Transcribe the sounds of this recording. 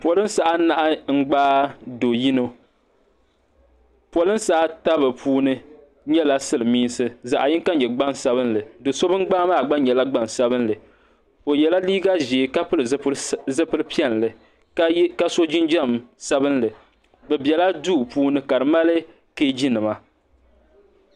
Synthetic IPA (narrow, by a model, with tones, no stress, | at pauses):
po˨lɨ˦n˦sa˦ʔa˦na˨ʔa˦ŋ̩˦ɡ͡baː˦do˨ji˦no˦ | po˨lɨ˦nsaː˦ta˦bɨ˨pʰuː˦nɨ˦ | ɲɛ˦la˦sɨ˦lɨ˨miː˦n˦sɨ˦za̰˨ʔa˨jɪ˦ŋ˦ka˦ɲɛ˨ɡ͡ba˦nsa˦βɨ˦nlɨ˨do˨so˦bɨ˦ŋ˦ɡ͡baː˦maː˦˨ɡ͡ba˦n˦ɲɛ˨la˦ɡ͡ba˦nsa˦bɨ˦nlɨ˨ | o˨jɛ˨la˦liː˦ɡa˦ʒeː˨ka˦pɨ˦lɨ˨˦zɨ˦pɨ˦ɾɨ˦pi˦ɛ˦˨n˨lɨ˨˦ | ka˦so˦d͡ʒɪ˦nd͡ʒa˦˨msa˦bɨ˦nlɨ˨ | bɛ˨bjɛ˨la˦duː˦˨puː˦nɨ˦ka˨ɾɨ˨ma˦lɨ˦ | ke˦d͡ʒi˦nɨ˨ma˨